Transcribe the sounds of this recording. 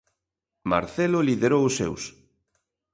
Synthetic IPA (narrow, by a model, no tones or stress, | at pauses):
ma̰ɾθeloliðeɾowʊsḛws